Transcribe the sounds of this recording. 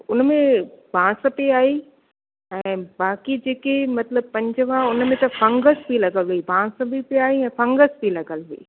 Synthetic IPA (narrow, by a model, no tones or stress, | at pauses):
ʊnmẽbʱãːsə̆piaːɦi | ɛ̃ːbaːkid͡ʑeːkemɐt̪ləb̚pɐ̃ɲd͡ʑəʋaʊnmẽt̪ɐfɐ̃ŋɡəsbʱilɐɡəlɦuibʱãːs̆bʱipiaːɦiɛ̃ːfɐ̃ŋɡəsbʱilɐɡəlɦʊḭː